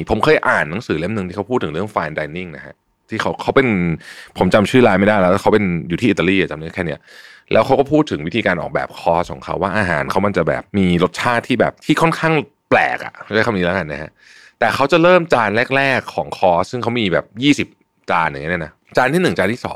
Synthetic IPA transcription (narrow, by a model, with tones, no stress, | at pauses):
pʰo˩˦mkʰɤː˧jʔaː˨˩nːa˩˦ŋsɯː˩˦le˦˥m̚nɯ˨ŋt̪iː˥˩a˦˥pʰuː˥˩t̪ʰːɯ˩˦ɾɯ˥˩əŋfaː˧ndaː˧ni˥˩ŋna˦˥kʰa̰˦˥ | t̪ʰiː˥˩kʰa˦˥wkʰa˦˥wpe˧npʰo˩˦mt͡ɕa˧mt͡ɕʰɯː˥˩laː˧˥jma˥˩jda˥˩lɛ˦˥˩kʰa˦˥wpe˧njuː˨˩iː˥˩˨t̪ːa˧liː˥˩ʔa˨˩t͡ɕa˧mni˦˥˩kʰːni˦˥ɐlʔɛː˦˥wkʰa˦˥wkɔː˥˩pʰuː˥˩t̪ʰːɯ˩˦wi˦˥t̪ʰiː˧kaː˧nʔɔ̰ː˨˩k̚bɛ̰ː˨˩p̚kʰɔː˦˥˩skʰɔː˩˦ŋkʰa˦˥waː˥˩ʔaː˧ɦaː˩˦nkʰa˦˥wma˧nt͡ɕa˨˩bɛ̰ː˨˩p̚miː˧lo˦˥t̪̚t͡ɕʰaː˥˩t̪ʰːiː˥˩bɛ̰ː˨˩p̚t̪ʰiː˥˩kʰɔ˥˩nkʰaː˥˩ŋ | plɛ̰ː˨˩k̚ʔa̰˩ʔa˥˩ka˧mniː˨˦˥la˦˥ka˧nːa˦˥hʰa̰˦˥ʔ | t̪ɛː˨˩kʰa˦˥wt͡ɕa˨˩ɾɤː˥˩mt͡ɕaː˧nlɛː˥˩k̚lɛː˥˩kʰːɔː˩˦ŋkʰɔː˦˥ssɯ˥˩ŋkʰa˦˥wmiː˧bɛ̰ː˨˩p̚jiː˥˩si˨˩p̚ | t͡ɕaː˧nʔi˦˥˦na˦˥ | t͡ɕaː˧nt̪ʰiː˥˩nɯ˨˩ŋt͡ɕaː˧nt̪ʰiː˥˩sɔ̰ː˩˦ŋ